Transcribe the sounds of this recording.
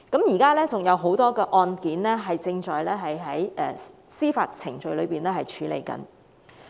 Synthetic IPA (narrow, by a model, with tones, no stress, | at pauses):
kɐ˨˥mjiː˨˩kaː˥lɛː˥t͡sʊ˨ŋjɐ˨˧wɦo˨˥wt̪ɔː˥kɛː˧ʔɔː˧nkiː˨˥nlɛː˥ɦɐ˨jt͡sɪ˧ŋt͡ʃɔː˨jlɛː˥ɦɐ˨jɦɐ˨˥jɛː˨˩ | siː˥fa̰ː˧t̚t͡sʰɪ˨˩ŋt͡ʃɵ˨˧ɥlɵ˨˧ɥpiː˨nɛː˥hɐ˨jt͡ʃʰyː˨˥lḛ˨jkɐ̰˨˧n